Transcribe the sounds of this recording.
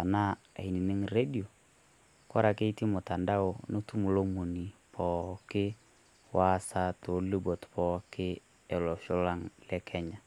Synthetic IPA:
a˨na˦a̰˨i˨ni˨nɪ˦ŋɾe˦di˨o˨ | ka˦ɾa˨ke˦ti˦mʊ˨ta˨nda˦o˨nu˦tu˦mu˨lo˦mu˨ni˨pʰɔ˨kɪ˦ | wa˦sa˦to˨˦li˦bo˨tpɔ˦kɪ˦ | ɛ˨lɔ˨ʃʊ˦la˦ŋlɛ˦kʰɛ˦ɲa˨

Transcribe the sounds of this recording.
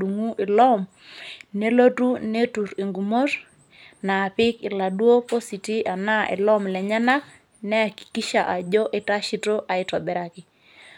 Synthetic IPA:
u˨ŋu˦ʔɪ˨lɔ˦m | ne˦lo˦tu˦ne˦tu˨ɾi˨ŋɡu˨mo˦ɾ | naː˨pɪ˦kɪ˨la˨dwo˦po˦si˨ti˦ʔa˨na˦ʔɛ̰˨lɔ˦mlɛ˨ɲa˦na˦k̚ | nɛ˦a˨ki̥˨ki˦ʃa˨ʔa˨d͡ʒo˦ʔɛ˦ta˦ʃi˦to˦ʔa˨ɪ˦tɔ˨bɛ˨ɾa˨kɪ˨

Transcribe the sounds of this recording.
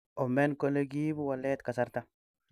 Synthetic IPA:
ʔɔ˨mɛ˦nko˦le˦ɡi˦bu˦wa˨lːɛ˦t̪ka˨sa˦ɾt̪a˦

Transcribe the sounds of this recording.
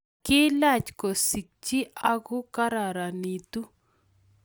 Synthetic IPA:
kɪ˦la˦˨t͡ʃkɔ˨si˨k̚t͡ʃi˦ʔa˦ɣʊ˦ka˦ɾa˨ɾa˨ni˨t̪u˦

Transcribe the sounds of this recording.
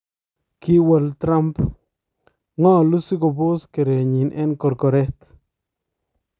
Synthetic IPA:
kɪ˦wə˨lt̪ɾa˦mp | ŋɔ˦˨lu˦si˦ɡo˨bʊ˦ske˨ɾe˨ɲi˨nʔɛ˦nkɔ˨ɾkɔ˨ɾɛ˦t̪

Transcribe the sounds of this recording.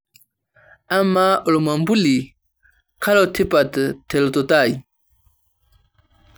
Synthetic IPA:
a˦ma˦u˨lma˨mbu˦li˨ | kʰa˦la˦tʰi˦pa˨tə˨te˨lto˨ta˦˨ji˨

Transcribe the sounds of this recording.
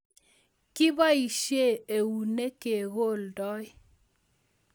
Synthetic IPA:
kɪ˦ba˦i˨ʃe˦˨e˨u˨ne˦ke˨ɣo˦˨ldɔ˦ɪ˦

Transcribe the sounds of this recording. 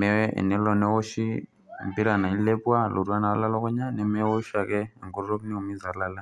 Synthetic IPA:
mɛ˨wɛɛ̰˨nɛ˦lɔ˨nɛ˦wo˦ʃi˦ | mbi˦ɾa˨na˨i˦le˦pu˦wa˦lu˨ɾu˦a˦na˨a˦la˦la˦kɔ˦ɲa˦nɛ˨mɛ˦wo˦ʃa˨kɛ˦˨ŋɡɔ˦ɾɾo˦kni˦u˨mi˦za˨laː˨la˦˨

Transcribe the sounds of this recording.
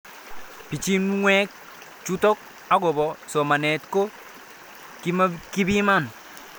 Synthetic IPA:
pi˨t͡ʃi˦n˦ŋwɛ˦k̚ | t͡ʃu˦tɔ˦k̚ | a˦ɡɔ˨bɔ˨sɔ˨ma˨nɛ˨tko˦ | ki˦ma˦ki˦bi˦ma˦˨n

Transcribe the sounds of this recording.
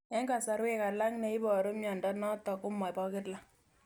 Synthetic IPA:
ɛ˦ŋɡa˨sa˨ɾwe˦ka˨la˦ŋnɛ˨ɪ˦bɔ˨ɾo˦mjɔ˨ndɔ˦nɔ˦tɔ˨kʊ˦mɔ˨pɔ˦kɪ˦tla˦

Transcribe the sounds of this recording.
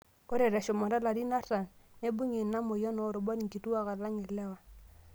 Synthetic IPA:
o˦ɾe˨ɾɛ˨ʃɔ˨mɔ˨ɾa˦la˨ɾi˦na˦ɾa˨nne˦bu˦ɲe˨na˦mo˨jɔ˦no˨ɾʊ˨bɔ˦ni˨ŋki˨tu˦a˦˨ka˨la˦ŋɪ˨lɛ˦wa˨

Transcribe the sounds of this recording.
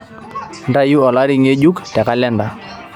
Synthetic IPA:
nda˦ju˦ɔ˨la˦ɾɪ˦ŋe˦d͡ʒu˦ktɛ˨ka˦lɛ˦nda˨

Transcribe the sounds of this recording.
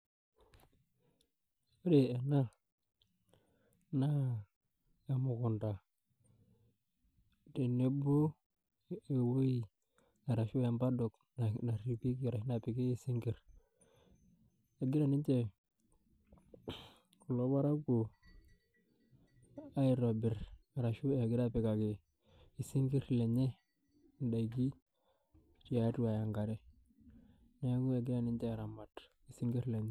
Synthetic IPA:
o˦de˨e˨na˦ | na˦ | ja˨mu˨ku˨nta˨ | te˨ne˦bo˦ | e˨wo˦i˦˨ | na˨ɾa˨ʃo˦ja˨mba˦do˨k | n˨na˨ɾi˨pi˦ki˨ɾa˨ʃi˦na˨pi˨ke˦je˨si˦ŋɡi˨ɾ | e˨ɡi˦ɾa˦˨ni˦nt͡ʃe˦˨ | u˨lo˦ba˦ɾa˦ku˨ | a˦i˨ɾo˨bi˨ɾa˨ɾa˨ʃu˦e˨ɡɪ˦ɾa˦pɪ˨ka˨kɪ˦˨ | i˨si˦ŋɡi˦ɾle˨ɲe˦ | n˨da˨i˨ɡ̬i˦˨ | t͡ʃi˨ja˨˦tu˦a˨ja˨ŋɡa˨ɾɛ˦ | ne˦ɡu˦e˨ɡi˦ɾa˦˨ni˦ɲt͡ʃe˦˨ɾa˨ma˨t | i˨si˦ŋɡi˦ɾle˨ɲe˦

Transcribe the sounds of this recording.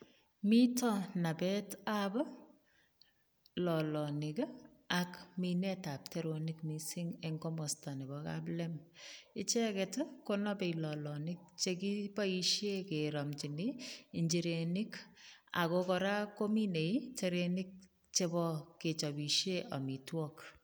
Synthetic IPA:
mi˦tɔ˦na˨bɛ˦tabɔ˦ | lɔ˨lɔnɪ˨kakminɛta˨p̚te˦ɾonɪkmisi˦ŋɛŋkomo˨sta˨ni˨bɔka̰plɛmɪ˦t͡ʃɛ˦kɛtʊkonɔ˦pe˨ilɔ˨lɔ˨nɪk̚t͡ʃe˦ki˦pa˦iʃeke˨ɾɔ˨mt͡ʃi˨nii˨ɲd͡ʒi˨ɾenɪka̰˨kokɔɾa˦ko˦mi˦ne˨it͡ʃeɾenɪk̚ | t͡ʃe˦bɔ˦ke˨t͡ʃɔ˨bi˨ʃeʔa̰˨mi˨twɔk

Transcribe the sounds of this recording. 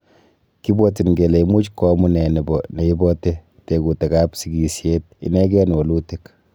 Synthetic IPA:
ki˦bɔti˨nɡe˨le˨imu˦t͡ʃkɔmu˦nɛ˨nɪ˨bɔne˨i˦bɔte | te˨ku˨te˨ka˦psiɡi˨sje˦t̪̚ḭ˨nɛ˦ɡɛ˦n˨wɔ˨lutɪ˦k

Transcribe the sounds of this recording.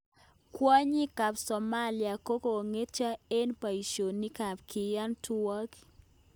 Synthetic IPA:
kwa˦ɲi˦ka˨psɔ˨ma˦li˨a˨ko˦ko˨ŋe˦t͡ʃa˦e˦npa˨i˨ʃo˨ni˦ka˨pkɪ˨ja˦ntu˦wa˦k

